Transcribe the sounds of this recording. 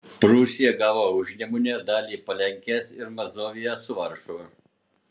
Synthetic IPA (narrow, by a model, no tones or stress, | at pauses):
pɾuːsʲɪjɛɡɑːʋoːʊʒʲnʲɛmʊnʲɛd̪ɑːlʲiːpɐlʲɛŋʲkʲɛsɪɾmɐzoːʋʲɪjɛsʊʋɐɾʃo